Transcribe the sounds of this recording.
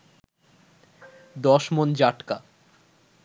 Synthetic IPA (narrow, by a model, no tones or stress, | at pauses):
d̪ɔʃmond͡ʑaʈka